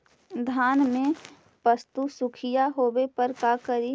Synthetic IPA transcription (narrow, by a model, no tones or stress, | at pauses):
d̪ʱaːnmẽ | pəst̪usʊkʰɪjaɦoːwepəɾkakəɾi